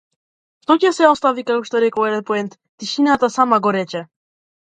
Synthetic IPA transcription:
ʃt̪ɔcɛsɛɔst̪avikakɔʃt̪ɔɾɛkɔɛd̪ɛnpɔɛnt̪ | t̪iʃinat̪asamaɡɔɾɛt͡ʃɛ

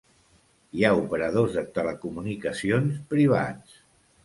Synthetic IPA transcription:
iaupəɾəð̞ozðət̪ələkumunikəsionspɾiβ̞a̰t͡s

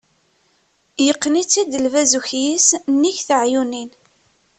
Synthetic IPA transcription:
jəqːnit͡sːid̪əlvæzuçjisnːiçθəʕjunin

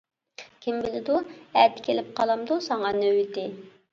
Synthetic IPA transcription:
kʲʰimbɪlɪd̪uæɾt̪ɪ̥kʲʰelɪp̚qʰɑlˠɑmd̪usɑŋɑnøwɪt̪ɪ

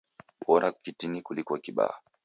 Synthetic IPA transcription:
ɓɔɾʔakitinikulikɔkiɓa̰ːa

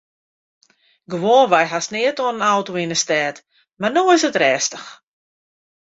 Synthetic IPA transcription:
ɡəʋoːnʋajɦasnɪətoənənawtoinəstɛːt | marnoːɪsətrɛːstəx

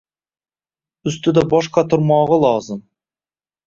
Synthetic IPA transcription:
ʏst̪ɪd̪ɑbɑʃqɑt̪ʰʊɾmɑʁəlˠɑzəm

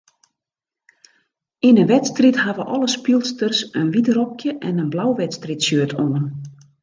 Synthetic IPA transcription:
inənʋɛtstrithaʋəʔɔlˠəspilˠstərsənʋitrɔkjəʔɛnənblawʋɛtstritsjøətʰoən

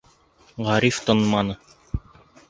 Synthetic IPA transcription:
ʁɑɾift̪ŏnmɑnɤ

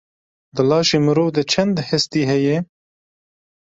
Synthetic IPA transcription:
d̪ɨlɑːʃemɨɾoːvd̪ɛt͡ʃʰɛnd̪hɛst̪iːɦɛjɛ

